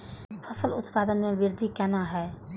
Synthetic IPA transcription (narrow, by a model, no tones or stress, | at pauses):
pʰəsəlʊt̪paːd̪ənmẽʋɪɾd̪ʱikɛːnaɦɛː